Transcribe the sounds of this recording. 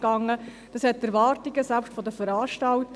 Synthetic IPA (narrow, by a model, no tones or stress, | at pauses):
ɡ̥ɑŋːə | d̥ɑshɛtːɛɾʋɑːrtiɡəsælpʃtfɔdəfəɾɑːɾʃtɑlt